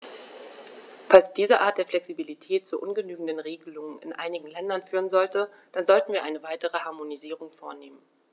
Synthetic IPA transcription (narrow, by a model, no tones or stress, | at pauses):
falsd̥iːzəʔaːt̚d̥eːɐflɛksibilitʰɛːt̚t͡suʔʊnɡənyːɡŋ̩dənʁeːɡəlʊŋənɪ̰nʔa̰ɪnɪɡŋ̩lɛndɐnfyːʁ̞ənzɔltə | d̥anzɔltn̩viːɐʔa̰ɪnəvaɪtəʁ̞əhaɐmoniziːʁʊŋfoːɐneːmən